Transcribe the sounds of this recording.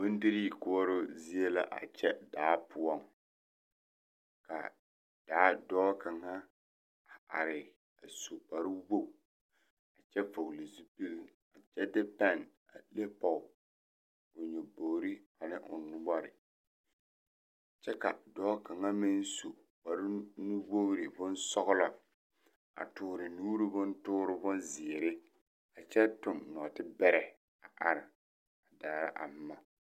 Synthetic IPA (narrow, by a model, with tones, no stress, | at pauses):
ʊ˦n˦dɪ˦ɾi˦˨kʊ˦ɔ˦ɾʊ˦zi˦e˦la̰˦ʔa̰˨t͡ʃɛ˦daː˨˦pʰʊ˦ɔ˦˨ŋ | ka̰˨ | d̥aː˨˦dɔː˦ka˨ŋa˦ | a˨a̰˨ɾɪ˨ | a˨so˨pa˨ɾɪ˦wo˦˨ | a˨t͡ʃɛ˦fo˨li˨zu˦pi˦l | a˨t͡ʃɛ˦dɪ˦pa˦˨n | a̰˨le˦pɔ˨ | ʊ˨ɲo˨boː˨ɾi˦a˨nɪ˦ʔʊ˨nʊ˦ba˦ɾɪ̰˨ | t͡ʃɛ˦ka˨dɔː˦ka˨ŋa˦mɪ˦n˦su˨ | ba˨ɾɪ˦nu˦wo˦ɾɪ˨bʊ˦n˦sɔ˦ɣʊ˦la˨ | a̰˨tʊː˨ɾɪ˨nuː˦ɾɪ˦bʊ˦ntʊː˦ɾɪ˦bʊ˦nzɪ˨ɾɪ˦ | a˨t͡ʃɛ˦tʊ˨mnɔ˨tɪ˦bɛ˦ɾɛ˨ | a˨ʔa˨ɾɪ˨ | a˨daː˨ɾa̰˦ʔa̰˨m˦ma˦